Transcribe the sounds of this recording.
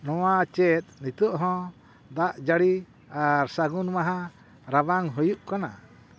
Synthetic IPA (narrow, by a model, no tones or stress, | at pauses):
nɔwat͡ʃɛt̪̚ˀnit̪ɔʔɦɔ̃ | d̪aʔd͡ʒaɽi | aɾsaɡunmaɦã | ɾabaŋɦɔjuʔkana